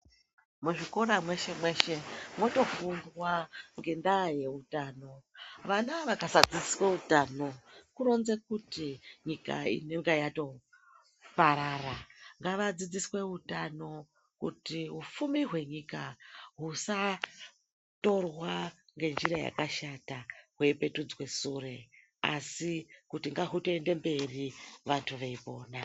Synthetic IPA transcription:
muʐikoɾamwe̞ʃe̞mwe̞ʃe̞mo̞to̞fundwaŋɡe̞ndaje̞utaːno̞ʋanaʋakasad͡zid͡zisweutano̞kuɾo̞nzekutiɲika̰ḭneŋɡejato̞ | paɾaraŋɡaʋad͡zid͡ziswe̞ɦutano̞ | kṵtiɦufumiɦwe̞ɲikaɦusa | to̞rwaŋɡe̞nd͡ʒiɾaja̰kaʃataɦwe̞ipe̞tud͡zwe̞sure̞ | a̰sikutiŋɡaɦutoende̞mbe̞riʋantʰuʋeipo̞ːna

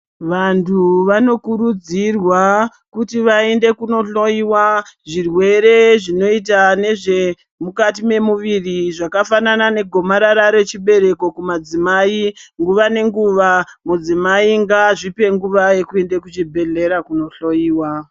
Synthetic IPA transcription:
ʋantʰuʋano̞kuɾud͡zirwa | kutiʋae̞nde̞kuno̞ɬo̞jiwaʐirwe̞ɾe̞ʐino̞it̬ane̞ʐe̞ | mukat̬ime̞muʋiriʐakafananane̞ɡʱo̞maɾaɾaɾe̞t͡ʃiɓe̞ɾe̞ko̞kumad͡zimaːiŋɡuʋane̞ŋɡuʋamud͡zimaiŋɡaʐipe̞ŋɡuʋaje̞kue̞ndekut͡ʃibʱe̞ɮe̞ɾakuno̞ɬo̞jiːwa

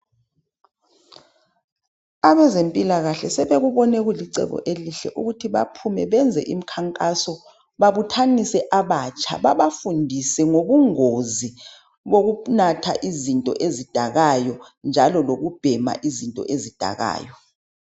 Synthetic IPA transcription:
aɓɛzempʼilaɣaɬɛsɛɓeɣ̬uɓɔnɛk̬uliǀɛ̰ɓɔ̰ʔeliɬɛ̰ʔuɣ̬utʰiɓa̰pʰumɛɓɛnd͡zʱɛ̰ʔim̩kʰaŋkʼasɔ | ɓaɓutʰanisɛʔaɓat͡ʃʰʼa̰ɓaɓafundʱisɛŋoɓuŋozi | βok̬unatʰa̰ʔizintʼɔ̰ʔezid̥ʱaɣajɔnd͡ʒʱalɔloɣub̥ʱɛma̰ʔizintʼɔ̰ʔezid̥ʱa̰ɣa̰ːjɔ

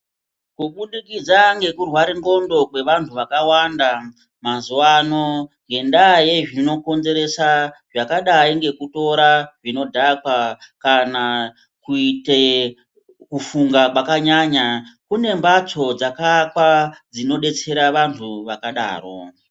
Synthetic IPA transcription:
kuɓuɗikid͡zaŋɡe̞kurwaɾiŋɡo̞ndo̞kwe̞ʋantʰuʋakawanda | mazuwano̞ŋɡe̞ndaje̞ʐino̞ko̞nze̞ɾe̞saʐakaɗaiŋɡe̞kuto̞ɾaʐino̞dʱakwakana | kuite | kufuŋɡakwakaɲaːɲakune̞mbat͡so̞d͡zakakwad͡zino̞ɗe̞t͡se̞ɾaʋantʰuʋakaɗa̰ːro̞̰

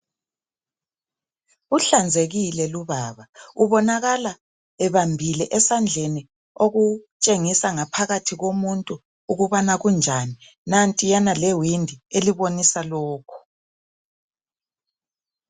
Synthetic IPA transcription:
uɬand͡zʱeɣilɛluβaːβauβɔnaɣala | ɛβambʱilɛʔɛsand͡ɮʱeni | oɣut͡ʃʼeŋisaŋapʰaɣatʰiɣomuntʼuː | ɣuβanaɣund͡ʒʱani | nantʼijanalɛwindʱieliβonisalɔːkʰɔ̥

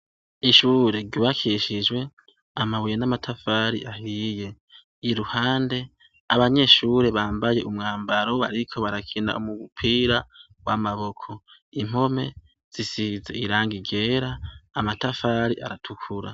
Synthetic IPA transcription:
iʃuɾe̞ɾɟuβakʰiʃid͡ʒwe̞ | amawijenamatʰafaːɾḭʔahije̞ | iɾuhaːnde̞ | aβaɲe̞ʃuːɾe̞βaːmbaje̞ʔumŋaːmbaɾo̞βa̰ɾikʰo̞βaɾakʰina̰ʔumuβupʰiːɾa | wamaβo̞kʰo̞im̥o̞me̞ | z̥isize̞̰ʔiɾaːŋɡiɡe̞ːɾaːmatafaːɾiʔa̰ɾatʰukʰuɾa̰

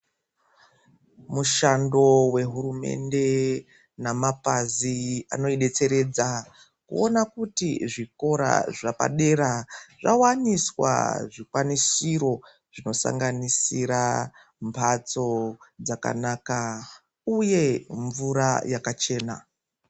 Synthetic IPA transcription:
muʃando̞we̞ɦuɾume̞̰nde̞ | namapazia̰no̞iɗe̞t͡se̞ɾe̞d͡za | kṵonakutiʐiko̞ɾa̰ʐapa̰ɗe̞ɾaʐawaniswa̰ʐikwanisiɾo̞ | ʐ̥ino̞sa̰ŋɡanisiɾa | mpʰat͡so̞d͡zaka̰naːka | uje̞ɱvuɾa̰jakat͡ʃe̞ːna

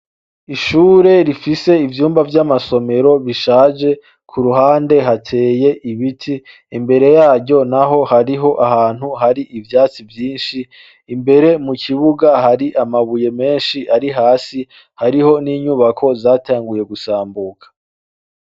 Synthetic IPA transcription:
iʃuːɾe̞ɾifise̞ivjuːmbavjamaso̞me̞ɾo̞βiʃaːʒe̞ | kʰuɾuɦaːnde̞ɦatʰe̞ːje̞ʔiβitʰiː | mbe̞ɾe̞jaːɟo̞naɦo̞haɾiɦo̞ʔaɦaːn̥huɦaɾiʔivjaːt͡sivjiːnʃiː | mbe̞ɾe̞muciβuɡaɦaɾiʔamaβuje̞me̞ːnʃiʔaɾiɦaːsi | haɾiho̞niːɲuβakʰo̞zaːtaːŋɡuje̞ɡusaːmbuːkḁ

